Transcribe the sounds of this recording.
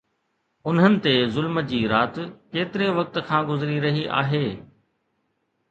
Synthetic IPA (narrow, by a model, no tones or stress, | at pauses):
ʊnɦənɪ̆t̪ezʊlmə̆d͡ʑiːɾaːt̪keːt̪ɪɾeʋɐk̚t̪̆kʰãːɡʊzɾiɾɐɦiʔa̰ːɦeː